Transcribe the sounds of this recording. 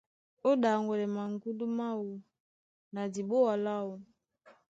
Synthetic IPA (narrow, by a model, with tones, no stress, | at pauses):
o˦da˨ŋɡɔ˨lɛ˨ma˨ŋ˦ɡu˦du˦ma˦wu˨ | na˨di˨bɔ˦wa˨la˦u˨